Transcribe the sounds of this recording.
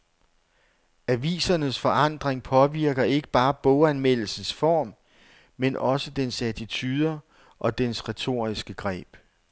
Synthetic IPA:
æʋḭːsɐnəsfɒ̽ɑ̈n̰d̥ʁeŋpʰɒ̽ʋiɐɡ̥ɐe̝ɡ̥əb̥ɑ̈ːb̥ɔ̽ʊænmel̰l̩sn̩sfɒ̰ːmː | enʔɒ̽səd̥ensæɐt͡sʰit͡sʰyːð̞ˠɐ | ʔɒ̽d̥ensʁɛt͡sʰo̝̰ːɐ̰isɡ̥əɡ̥ʁɛ̰ːb̥

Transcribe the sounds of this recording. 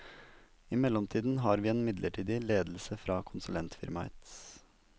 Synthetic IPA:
ɪmɛlɔmt̪ʰiːd̪n̩ɦɑːɾʋiːeːnmɪd̪lʔəʈʰiːd̪ɪleːd̪l̩səfɾɑːkʰʊnsʉlɛnt̪fɪ̰ɾmɑɛ̰t̪s

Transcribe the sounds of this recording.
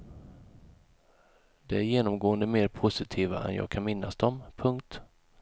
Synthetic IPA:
d̪̥ɛæɾjeːnɔmɡoːənd̪əmeːɾpʰʊsɪt̪ʰiːva̰ʔɛ̰njɑ̰ːɡ̚kʰanmɪnːasd̪ɔmpʰɵŋk̚t̪

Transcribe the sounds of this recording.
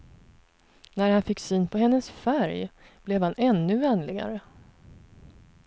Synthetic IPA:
næɾhanfɪkːsyːnpʰɔɦɛnːəsfæɾj | b̥lɛvhanʔɛnːɵvɛnlɪɡa̰ɾə

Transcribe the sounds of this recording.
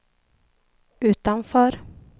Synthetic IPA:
ʉ̟ːt̪anfœːɾ

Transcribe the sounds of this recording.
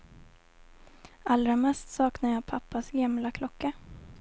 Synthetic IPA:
alɾamɛst̪sɑːknajɑːpʰapːasɡamlakʰlɔkːa

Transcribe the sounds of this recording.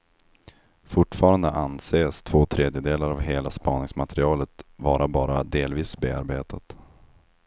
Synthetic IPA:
fʊʈːfɑːɾand̪əʔanseːst̪ʰv̥oːt̪ʰɾeːd̪jəd̪eːlaɾavɦeːlaspɑːnɪŋsmat̪ʰɛɾɪɑːlət̪vɑːɾʔabɑːɾad̪eːlviːsbeːa̰ɾbeːt̪ʰat̪

